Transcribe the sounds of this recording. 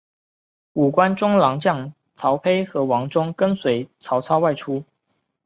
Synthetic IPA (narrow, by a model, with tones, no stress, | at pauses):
u˨˩kwa˥nʈ͡ʂʊ˥ŋlɑ˧˥ŋt͡ɕjɑ˥˩ŋ | t͡sʰɑ˧˥ʊpʰe˥ɪxɤ˧˥wɑ˧˥ŋʈ͡ʂʊ˥ŋkə˥nswe˧˥ɪt͡sʰɑ˧˥ʊt͡sʰɑ˥ʊwa˥˩ɪʈ͡ʂʰu˥